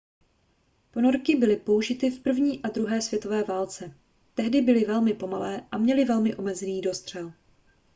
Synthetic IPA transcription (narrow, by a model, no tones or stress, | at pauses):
po̞no̞ɾkɪbɪlɪpo̞uʒɪt̪ɪfpr̩vɲiːʔad̪ɾuɦɛːsvjɛt̪o̞vɛːvaːlt͡sɛ | t̪ɛɦdɪbɪlɪvɛlmɪpo̞malɛːʔamɲɛlɪvɛlmɪʔo̞mɛzɛniːdo̞st̪r̝̥ɛl